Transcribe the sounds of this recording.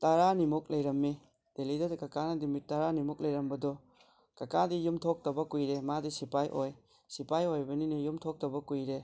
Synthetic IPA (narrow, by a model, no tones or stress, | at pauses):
taɾanimuk̚lɐjɾɐmːi | d̥elidɐdkɐkanɐdimitːaɾanimuk̚lɐjɾɐmbɐdɔ | kɐkadijumtʰok̚tɐbɐkujɾemadisipajʔoj | sipajojbɐninijumtʰok̚tɐbɐkujɾe